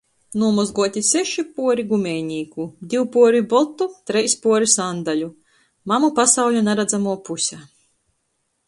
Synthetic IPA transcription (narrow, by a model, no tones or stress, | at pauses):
nuɔmuzɡuɔt̪ʲisɛʃipuɔɾiɡumʲɛːɲʲiːkud̪ʲiwpuɔɾibɔt̪ːut̪ɾɛjspuɔɾisand̪alʲu | mamupasawʎʲunaɾad̪zamuɔpusʲæ